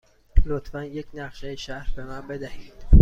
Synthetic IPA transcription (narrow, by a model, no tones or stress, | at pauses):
lot̪fænjeknæqʃejeʃæhɾbemɑːbed̪æhiːd̪̥